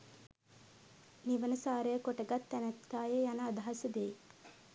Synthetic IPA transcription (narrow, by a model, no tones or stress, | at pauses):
niʋɐnɐsaːɾəjɐkoʈɐɡɐt̪ːɛnɐt̪kːaːjejanaːd̪ʱaɦɐsɐd̪eː